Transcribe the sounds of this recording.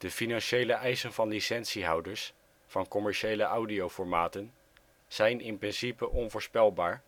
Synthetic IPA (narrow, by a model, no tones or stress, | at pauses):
d̥əfinɑnʃejləʔɛjsənvɑnlisɛnsiɦʌwdəɹs | fɑnkɔmɛɹʃejləʔawdiowfɔɹmaːtən | z̥ɛjnɪnprɪnsipəʔɔnvʊːɹspɛlˠbaːɹ